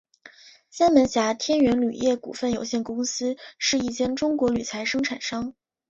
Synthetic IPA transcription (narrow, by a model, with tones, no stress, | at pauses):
ɕa˥nmə˧˥nɕja˧˥t̪ʰjɛ˥nɥɛ˧˥nly˨˩jɛ˥˩kṵ˨˩fə˥˩njo˧˥ʊɕjɛ˥˩nkʊ˥ŋsɹ̩˥ʂɻ̩˥˧i˥˩t͡ɕjɛ˥˩nʈ͡ʂʊ˥ŋkwɔ˧˥ly˨˩t͡sʰa˧˥ɪʂɤ˥ŋʈ͡ʂʰa˨˩nʂɑ˥ŋ